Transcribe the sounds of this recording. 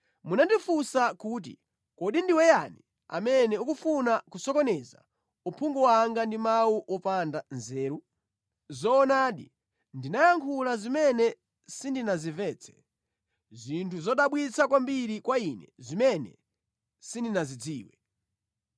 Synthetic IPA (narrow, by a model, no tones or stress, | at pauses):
munandifusakuːt̬ḭ | kɔɗindiwɛjani | a̰mɛnɛukufunakusɔkɔnɛza̰ | upʰuŋɡɔwaŋɡandimawuʔɔpandanzɛːɾu | zɔːnaːɗḭ | ndinajaŋkʰulazimɛnɛ | sindinazivɛːt͡sʰɛ̥ | zintʰuzɔɗaɓwit͡sʰakwambiɾikwainɛ̰zimɛnɛ̰ | sindinazid͡ziːwɛ